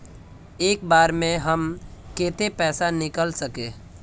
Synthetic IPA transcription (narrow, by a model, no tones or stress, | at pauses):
eːk̚baːɾmẽɦɐmkeːt̪ʰepɛːsanɪkəlsɐkeː